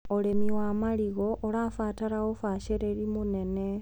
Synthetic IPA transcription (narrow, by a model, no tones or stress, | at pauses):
ole̞miwamaliɣoʔolafaːtaɾaɣofaʃeɾeɾimune̞ne